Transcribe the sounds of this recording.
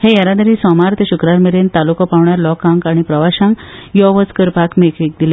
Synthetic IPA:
hejaɾad̪əɾiːsɔmaɾt̪eɕukɾaɾmiɾent̪alukɔpaʋɳjaɾlɔkãŋkaɽ̃ipɾəʋaɕãŋkjɔʋət͡skəɾpakmekik̚d̪ile

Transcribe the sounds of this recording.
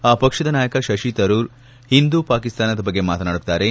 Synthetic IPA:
aːpɐkʂɐd̪ɐnaːjɐkɐʃɐʃit̪ɐɾuːɾ | hind̪upaːkist̪aːnɐd̪ɐbɐɡːe̞maːt̪ɐnaːɽut̪ːaːɾe

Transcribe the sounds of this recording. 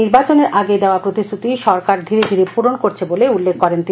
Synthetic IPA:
iɾbat͡ɕoneɾʔaɡed̪eoapɾot̪ist̪ʰut̪iʃɔɾkaɾd̪ʱiɾed̪ʱiɾepuɾonkoɾt͡ɕʰeboleulːekʰkɔɾent̪i

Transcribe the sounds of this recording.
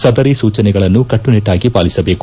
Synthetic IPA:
sɐd̪ɐɾisuːt͡ʃɐnɛɡɐɭɐnːukɐʈːuniʈːaːɡipaːlisɐbe̞ːku

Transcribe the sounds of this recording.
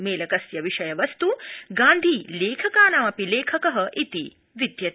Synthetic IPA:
meːlɐkɐsjɐʋiʂɐjɐʋɐst̪uɡãːnd̪ʱiːleːkʰəkaːnaʋɐpileːkʰɐkɐɦəʔit̪i | ʋid̪ʱjɐ

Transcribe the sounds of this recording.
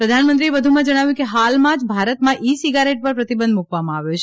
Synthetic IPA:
pɾəd̪ʱanmə̃nt̪ɾieʋəd̪ʱumãd͡ʒəɽ̃aʋjũkeɦalmãd͡ʒbʱaɾət̪mãʔisiɡaɾeʈ̚pəɾpɾət̪ibənd̪mukʋamãaʋjot͡ʃʰ

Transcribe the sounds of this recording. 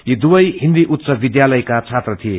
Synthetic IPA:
jid̪ubʌjɦind̪iʔut̪t͡sʌbid̪jalʌjkat͡sʰat̪rʌt̪ʰije

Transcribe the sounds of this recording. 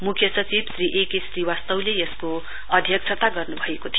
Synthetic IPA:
mukʰjʌsʌt͡sibsriʔekesriwast̪ʌwlejʌsko | ʌd̪ʱjʌk̚t͡sʰʌt̪aɡʌrnubʱʌekot̪ʰijo

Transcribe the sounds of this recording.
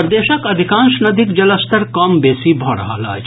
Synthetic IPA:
ɾd̪eːʃəkɐd̪ʱikãːnʃnɐd̪ʱikd͡ʒɐləst̪əɾkɐmbeːsibʱɔɽɦa̰la̰ː

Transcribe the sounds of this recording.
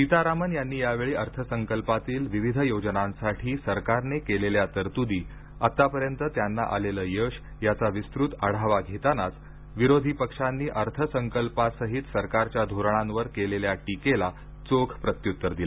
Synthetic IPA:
pit̪aɾamənjanːiːjaʋeɭiːʔəɾt̪ʰəsəŋkəlpat̪iːlʋiʋid̪ʱəjod͡znãnsaʈʰiːsəɾkaɾnekeleljat̪əɾt̪ud̪iː | at̪apəɾjənt̪ət̪janːa̰ʔa̰leləːjəʂ | jat͡saʋist̪ɾut̪əɽ̤aʋaɡʱet̪anat͡s | ʋiɾod̪ʱipəkʂanːiːʔəɾt̪ʰəsəŋkəlpasəɦit̪səɾkaɾt͡ɕjad̪ʱoɾəɳãnʋəɾkeleljaʈikela | t͡sokʰpɾət̪jut̪ːəɾd̪il

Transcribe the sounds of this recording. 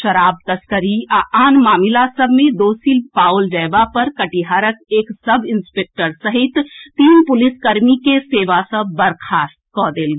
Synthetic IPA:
ʃɐɾaːb̚t̪ɐskəɾiaʔaːnmaːmɪlasəbʱmẽd̪oːsilpaːʊld͡ʒɛːbapɐɾkɐʈiɦaːɾəkeːksɐbʱɪnspeːk̚ʈəɾsəɦɪt̪t̪iːnpʊlɪskɐɾmikeseːʋasəbbəɾkʰaːst̪kɔːd̪eːlɡ

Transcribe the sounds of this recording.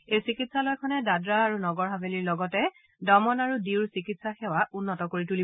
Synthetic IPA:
ejsikitsalojkʰɔnɛdadɹaːɹunɔɡɔɹɦabeliɹlɔɡɔtɛ | dɔmɔnaɹudiwɹsikitsaxɛwaʔunːɔtɔkoɹituli

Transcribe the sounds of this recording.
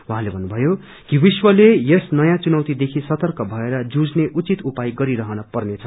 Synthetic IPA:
uɦãlebʱʌnːubʱʌjo | kibiswʌlejesnʌjãt͡sunʌwt̪id̪ekʰisʌt̪ʌrkʌbʱʌeɾʌd͡zud͡zneʔut͡sit̪upajɡʌɾiɾʌɦʌnʌpʌrnet͡sʰʌ

